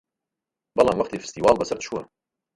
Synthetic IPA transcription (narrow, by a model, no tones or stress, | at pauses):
bɑlɑmwɑqt̪ifi̥st̪iwɑːlbæsəɾt̪ʃuwæ̰